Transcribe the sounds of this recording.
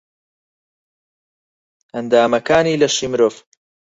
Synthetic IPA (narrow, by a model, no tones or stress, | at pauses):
ʔɐnd̪aːmɐkaːniːlɐʃimɾoːf